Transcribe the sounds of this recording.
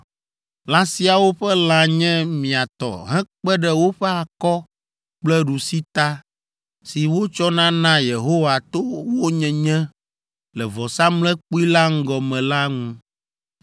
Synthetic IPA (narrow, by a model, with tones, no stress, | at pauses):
lã˦si˦a˨wo˦ɸɛ˦lã˨ɲɛ̃˦mĩ˨a˨t̪ɔ̰˨ɦɛ̃˦k͡pɛ˦ɖɛ˨wo˦ɸɛ˦a˨kɔ˦ | k͡plɛ˦ɖu˨si˦t̪a˦ | si˨wo˦t͡ʃɔ˦nã˦nã˦je˨ɦo˦wa˨t̪o˦wo˦ɲɛ̃˨ɲɛ̃˦ | lɛ˨vɔ˨sã˦mlɛ̃˦k͡pu˦i˦la˦ŋ̩˦ɡɔ˨mɛ̃˨la˦ŋũ˦